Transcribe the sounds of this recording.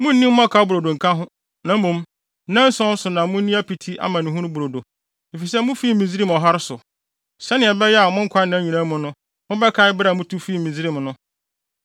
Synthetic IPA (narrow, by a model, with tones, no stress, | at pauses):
mʊ̃˦n̩˦nĩ˦m˦mʊ̃˦a˦kʰa˨˦bʊ˨ɾo˨do˨ŋ̩˨kʰã˦ɦʊ̃˦ | nã˨m˦mũ˨m | nã˦n̩˦sɔ̃˦n˦sʊ˨nã˨mʊ̃˦n˦ĩ˦æ˦pi˨tʰi˦ʔa̰˨mã˨nɪ̃˨ɦũ˦nʊ̃˦bu˨ɾo˨do˨ | e˨fi˨sɛ˦mʊ̃˦fi˦mĩ˨zɾi˦mɔ˨ɦa˦ɾɪ˦sʊ˨ | sɛ˦nɪ̃˨ɛ˨bɛ˦jɛ˦a˨mʊ̃˦ŋ̩˦kʰʷa˦nã˦ɲĩ˨nã˦mʊ̃˨nʊ̃˦ | mʊ̃˦bɛ˦kʰa˦ɪ˦bɾa˨mʊ̃˦tʰu˦fiː˦mĩ˨zi˦ɾi˦m˨nʊ̃˦